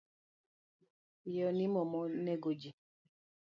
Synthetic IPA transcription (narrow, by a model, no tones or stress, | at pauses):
jɔnimɔmɔnɛɡod͡ʒi